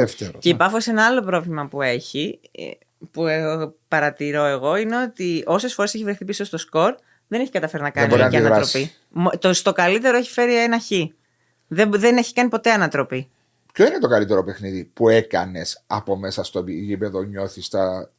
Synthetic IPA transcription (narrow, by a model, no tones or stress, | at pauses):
eft̪eɾceipɐfose̞nɐɐlo̞pɾo̞vlimɐpue̞çḭ | puepɐɾɐt̪iɾo̞e̞ɣo̞ine̞o̞t̪io̞se̞sfoɾese̞çivɾeθipiso̞st̪osko̞ɾ | ðe̞ne̞çi̥kɐt̪ɐfe̞ɾinɐkɐnioɾinɐiðɐɾɐɾospi | mt̪ost̪o̞kɐlit̪e̞ɾoeçi̥fe̞ɾienɐçi | ðeðe̞ne̞çi̥kɐnipo̞t̪e̞ɐnɐt̪ɾo̞pi | pçoinet̪o̞kɐlit̪eɾope̞xniðipue̞kɐ̰ne̞sɐ̰po̞me̞sɐst̪oiʝipe̞ðoɲo̞θist̪ɐ